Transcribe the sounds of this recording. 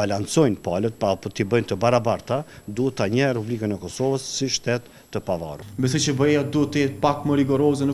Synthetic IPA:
alant͡sɔjnpalət̪̚papɔt̪ibəjnt̪əbaɾabaɾt̪ad̪uət̪ːaɲəɾɛpublikənəkɔsɔvəsːiʃt̪ɛt̪ːəpava̰rumbɛsɛt͡ʃəbɛjad̪uɛt̪ːəjɛt̪̚pakməɾiɡɔɾɔzɛnə

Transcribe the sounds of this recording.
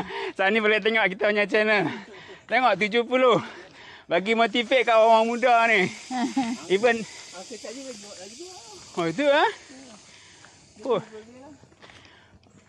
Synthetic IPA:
sanibolet̪̬eŋɔʔkit̪aaɲat͡ʃɛnəl | t̪eŋɔʔt̪̬ud͡ʒohpuloh | baɡimɔt̪ifeʔkːawawaŋmudani | ivən | oit̪̬ua | po

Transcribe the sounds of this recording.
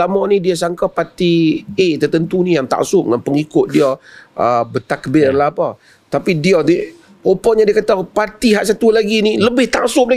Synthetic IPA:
lamɔnidias̬aŋkapat̪iet̪ərt̪ənt̪unijaŋt̪a̰ʔsʊʔ̚ŋanpəŋikʊt̪̚diaəbət̪akːəbɪrlapə | t̪apidiani | opɔɲadiakat̪apat̪iɦaʔsat̪ulaɡiniləbɪht̪aʔsʊʔlə

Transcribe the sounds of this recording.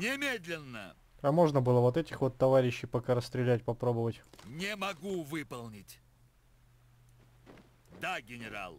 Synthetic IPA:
nʲɪmʲed̪ʲlʲɪnːə̰ | ɐmo̞ʐnəbɨlˠəvo̞t̪ɛtʲɪxvo̞t̪ːɐvaɾʲɪɕːɪjpɐkaɾəst̪ɾʲɪlʲæt̚ʲpɐpɾo̞bəvətʲnʲɪmɐɡuvɨpəlˠnʲɪtʲ | d̪aɡʲɪnʲɪɾa̰lˠ

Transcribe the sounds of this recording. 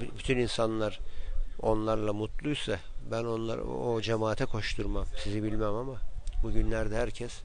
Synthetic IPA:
bbyt̪ʰyninsanlˠaɾ | o̞̰nlˠaɾlˠamut̪lˠujsa | bæno̞nlˠa̰od͡ʒemaːt̪ʰɛkʰo̞ʃt̪ʰuɾmamsizibilʲmæmamabuɟynlʲæɾd̪ɛɦæɾcʰɛs

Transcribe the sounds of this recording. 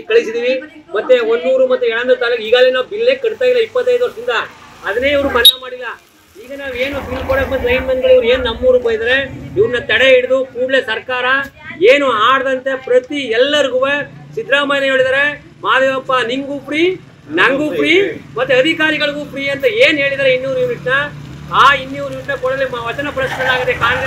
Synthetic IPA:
ikɐɭɪsiðiːɾi | mɐt̪ːeɔnd̪uːɾɯmɐt̪ːuɛɽɐnd̪ɐt̪ɐlɐiːɣaːlenãːbɪlːekɐɽɯt̪ːaːɪlɐɪpːɐt̪ːɐɪjðoːɾsɪnd̪aː | ɐðɐneːʋɐɾɯbɐnɐmaːɽilaː | iːɣɐnaːʋeːnũfiːlpoːɽɐmɐt̪ːɐɪnmɐnɡɐɭiʋɐɾɯeːnnɐmːuːɾɯpoːjðɐɾeɪʋɐɾɯnɐt̪ɐɽɐɛɽɯðukuːɽlɐsɐɾkaːɾaeːnũaːɽðɐnt̪ːɐpɪɾɐt̪ːiɛlːɐɾɯkɯʋɐ̃sɪd̪ɾaːmɐjɐnɐjɐɽɯðɐɾɐ | maːðɐʋɐpːaːniŋɡuːpɽi | nɐŋɡupːɽimɐt̪ːiɐðɪkaːɾɪɣɐɭɯkuːpːɪɽijent̪ɐeːneːɭiðɐɾɐɪnːiʋɔɾʋɪʈːaːaːɪnːiʋɔɾɯʋɪʈːɐpɔɽɐðɪlemɐʋɐt͡ʃːɐnɐpɪɾɐt͡ʃɐnɐlaːɣɐðekaːɾɣɐ

